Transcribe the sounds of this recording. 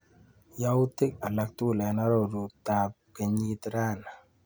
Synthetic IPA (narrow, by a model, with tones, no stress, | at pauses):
ja˦u˦t̪ɪ˦k̚a˨la˨k̚t̪u˦˨lɛ˨na˦ɾɔ˦˨ɾu˨ta˨p̚ | ke˨ɲi˦t̪ɾa˦na˨